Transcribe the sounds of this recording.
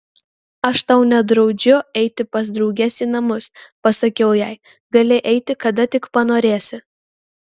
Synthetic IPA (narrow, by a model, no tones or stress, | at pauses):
ɐʃt̪ɐʊnʲɛd̪ɾɒʊd͡ʒʲʊɛɪt̪ʲɪpɐs̬d̪ɾɒʊɡʲɛsʲiːnɐmʊspɐsɐkʲɛʊjɛɪ | ɡɐlʲɪʔɛɪt̪ʲɪkɐd̪ɐt̪ʲɪkpɐnoːɾʲeːsʲɪ